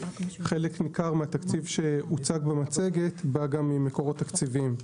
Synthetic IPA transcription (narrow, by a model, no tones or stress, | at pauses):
χe̞le̞knikaʁmeat̪akt͡sivʃe̞ut͡saɡbemat͡se̞ɡe̞t̪baɡamːime̞ko̞ʁo̞t̪ːakt͡sivim